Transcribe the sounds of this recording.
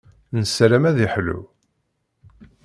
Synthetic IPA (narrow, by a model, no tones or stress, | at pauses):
nəsɾæmæðiħlṵ